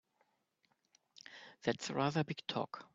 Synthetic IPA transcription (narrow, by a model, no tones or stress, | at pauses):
ðætsɹaðə˞bɪɡ̥tʰɔ̰k